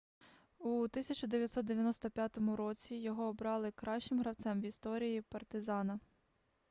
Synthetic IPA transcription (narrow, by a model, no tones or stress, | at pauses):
ut̪ɪsʲɐt͡ʃʊd̪eʋjɐt̪sɔt̪̚d̪eʋʲjɐnɔst̪ɔpʲjat̪ɔmʊɾɔt͡sʲijɔɦɔːbɾɑlˠɪkɾɑʃt͡ʃɪmɦɾɐw̪sɛmʋist̪ɔɾʲijipɐrt̪ɪzɑnɐ